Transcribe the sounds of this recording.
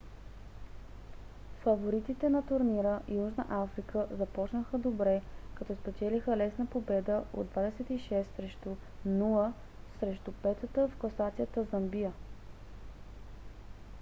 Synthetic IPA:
fɐvoɾit̪it̪ɛnɐt̪ʊɾniɾəʔijuʒnəʔafɾikʰəzɐpɔt͡ʃnəxəd̪obɾɛkɐt̪ɔspɛt͡ʃɛlixəlɛsnəpobɛd̪əo̰d̪ːvad̪ɛsɛt̪iʃɛst̪sɾɛʃt̪unulˠə | sɾɛʃt̪upɛt̪ət̪əfkɐsat̪sijət̪əzəmbijə

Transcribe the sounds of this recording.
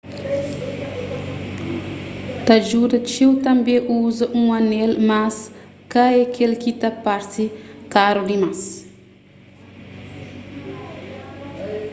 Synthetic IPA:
t̪ad͡ʒudət͡ʃiwt̪ambeʔuzəʔũanelmas | kaekʰelkit̪apaɾtikaɾud̪imas

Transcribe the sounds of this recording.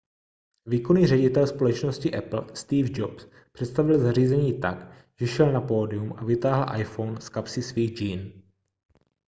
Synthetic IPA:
viːkoniːrɛɟɪt̪ɛlspo̞lɛt͡ʃnoscɪʔɛpl̩st̪iːvd͡ʒops | pr̝̥ɛt̪st̪avɪlzariːzɛɲiːt̪a̰k | ʒ̥ɛʃɛlnapoːdɪumavɪt̪aːɦl̩ʔa̰jfo̞wnskapsɪsviːɣd͡ʒiːn

